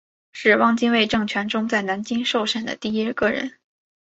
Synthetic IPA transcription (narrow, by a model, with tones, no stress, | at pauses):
ʂɻ̩˥˩wɑ˥˧ŋt͡ɕi˥nwe˥˧ɪʈ͡ʂɤ˥˩ŋt͡ɕʰɥɛ˧˥nʈ͡ʂʊ˥ŋt͡sa˥˩ɪna˧˥nt͡ɕi˥ŋʂo˥˧ʊʂa˥˩nd̪ə̰˩t̪i˥˩i˥kɤ˥˩ɻə̰˧˥n